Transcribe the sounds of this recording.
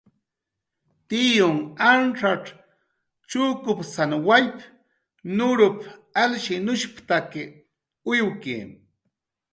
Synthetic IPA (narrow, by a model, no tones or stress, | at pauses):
t̪ijʊŋanʈ͡ʂaʈ͡ʂ | t͡ʃukʊpsanwajp | nʊɾʊpalʃinʊʃpt̪akɪ | ʊjwkḭ